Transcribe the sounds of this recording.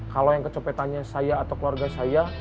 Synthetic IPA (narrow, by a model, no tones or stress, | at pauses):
kalawjaŋkət͡ʃopɛt̪anɲasajaːt̪awkəluwarɡasaja